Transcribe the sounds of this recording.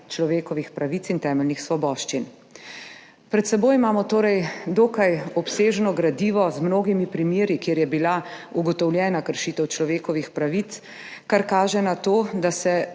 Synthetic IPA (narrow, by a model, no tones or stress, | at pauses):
t͡ʃlɔʋeːkɔʋixpɾaʋit̪t͡s̪int̪ɛːmɛlnixsʋɔbɔːʃt͡ʃin | pɾɛt̪sɛboːjimaːmɔt̪oːɾɛjd̪oːkajɔpseːʒnɔɡɾad̪iːʋɔzmnoːɡimipɾimjeːɾikjeːɾjɛbilauɡɔt̪ɔwljɛːnakəɾʃiːt̪ɛwt͡ʃlɔʋeːkɔʋixpɾaʋit̪s | kaɾkaːʒɛnat̪oːd̪asɛ